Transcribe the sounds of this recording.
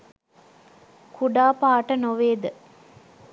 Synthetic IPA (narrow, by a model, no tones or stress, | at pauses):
kʰuɖaːpaːʈənoʋeːd̪ə